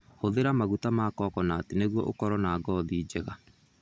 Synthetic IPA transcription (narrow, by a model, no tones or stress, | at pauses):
hoðeɾamaɣutamakɔːkɔnaːteneɣwɔ̰ʔokɔɾɔnaːɡɔðiːd͡ʑɛɣa